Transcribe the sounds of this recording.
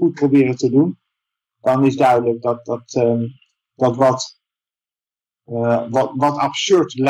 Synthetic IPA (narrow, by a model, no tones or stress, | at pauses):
ut̚prowbɪːrətədun | dɑnɪzdœɥdələk̚dɑt̚ɑt | d̥ɑtʋɑt | ʋʋɑtɑpsøɹtl